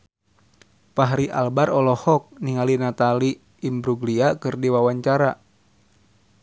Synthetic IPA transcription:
paɦɾiʔa̰lbaɾɔlɔhɔk̚niŋalinat̪aliː | mbɾuɡliakɨrdiwawaɲt͡ʃaɾa

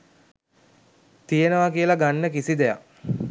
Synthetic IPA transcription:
t̪ijenəʋakiəlaɡanːəkisid̪eja̰k

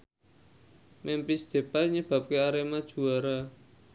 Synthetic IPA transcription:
mɛmpisd̪̥e̤paɲəb̥a̤p̚keaɾemad̥ʒ̥ṳaɾa

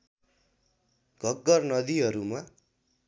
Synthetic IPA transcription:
ɡʱʌɡːʌrnʌd̪iɦʌɾuma

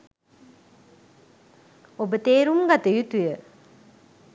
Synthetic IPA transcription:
obət̪eːɾumɡat̪əjut̪ujə

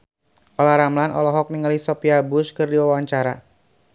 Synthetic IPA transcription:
ʔɔlaɾamlanɔ̰lɔɦɔk̚niŋalisɔpiabʊskɨrdiwawaɲt͡ʃaɾa

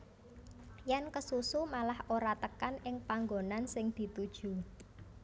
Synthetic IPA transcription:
jankəsusumalahoɾat̪əkanɪŋpaŋɡonansɪŋd̪̥i̤t̪ud̥ʒ̥ṳ

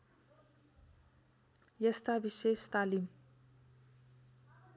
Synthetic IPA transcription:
jʌst̪abisest̪alim

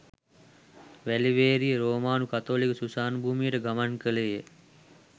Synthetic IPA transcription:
ʋæliʋeːɾijəɾoːmaːnukat̪oːlikəsusaːnbʱuːmijəʈəɡamankəlejə

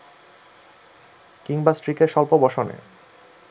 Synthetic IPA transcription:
kiŋbasʈɾikeɾʃɔlpobɔʃonḛ

